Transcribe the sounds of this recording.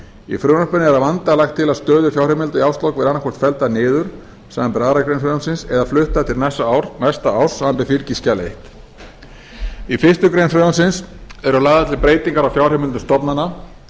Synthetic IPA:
ḭfɾʏːnɔspʏnɪɛɾavant̪alaxt̪ʰːɪlaðst̪œːðʏfjawrɛmɪlt̪ʏiawst̪lɔwkvɪðanːakʰvɔr̥t̪fɛlt̪anɪːðʏɾ̥ | saːvanpɪɾaːðɾakɾejnfʏðansɪnsɛðaflʏht̪at̪ʰɪlnɛsːaawɾnɛst̪aaw̥saːvanpɪfiɾciscalḛjht̪ | ifɪr̥st̪ʏkɾejnfɾœðansɪnsɛɾʏlaːðat̪ʰlɪlpɾeːjt̪iŋkaɾawfjawr̥ɛmɪlt̪ʏst̪ɔpnanːa

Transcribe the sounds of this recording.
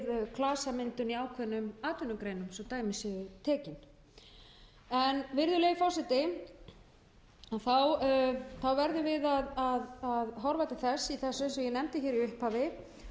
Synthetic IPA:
ðkʰlaːsamɪnt̪ʏniaːwkʰɛnːʏmaːt̪ʏnːʏkɾeːjnʏmsɔt̪aːjmɪsɪɣʏt̪ʰɛːcɪn | ɛnvɪɾðʏleːjfɔ̥sɛt̪ɪ | aθawθawvɛɾðʏvɪðaðaðaðɦɔɾvajt̪aθɛsːiθɛsːʏnsɛjɛnɛmt̪ɪçɛːɾiʏhphavɪ

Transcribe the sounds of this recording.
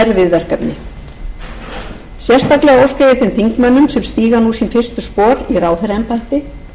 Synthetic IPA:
ɛɾvɪðvɛr̥kœpnɪ | sjɛr̥st̪aklɛɣaowskeːjɪθɪnθiŋkmœnːʏmsɛmst̪iːɣanusinfɪr̥st̪ʏspɔːɾiraːwθeɾɛnpajht̪ɪ

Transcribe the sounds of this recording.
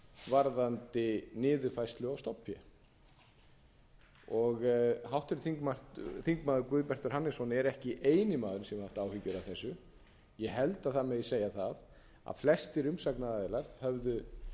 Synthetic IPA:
vaɾðant̪ɪnɪːðʏfajst̪lʏawst̪ɔwpʰjɛ̰ | ɔɣɦawht̪ɪɾɪθiŋkmḁθiŋkmaːðʏɾkvʏðpɛr̥t̪ʏɾ̥hanːɪsvɔnɪɛɾɛhcɪʔeːjnɪmaːðʏɾnsɛmhaft̪aːwhʏcʏɾawθɛsːʏ | jɛɦɛlt̪aθaðmɛðseːjaθað | a̰ðflɛst̪ɪɾʏmsaknaɾaːðɛlaɾ̥hœvðʏ

